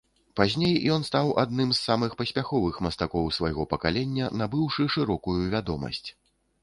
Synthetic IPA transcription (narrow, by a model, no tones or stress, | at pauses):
pazʲnʲejjɔn̪st̪awa̰d̪̚nɨmzːamɨxpɐsʲpʲaxɔvɨxmɐst̪akɔwsvajɣɔpɐkalʲɛnʲːɐnabɨwʂɨʂɨɾɔkujuvʲad̪ɔmɐ̰sʲt͡sʲ